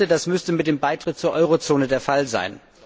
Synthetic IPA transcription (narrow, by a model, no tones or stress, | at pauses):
ədasmʏstəmɪt̚d̥eːmbaɪtʁ̥ɪt̚t͡suːɐʔɔʏʁot͡soːnədeːɐfalza̰ɪn